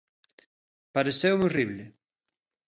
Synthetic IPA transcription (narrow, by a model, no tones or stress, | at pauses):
paɾesewŋoriβlɪ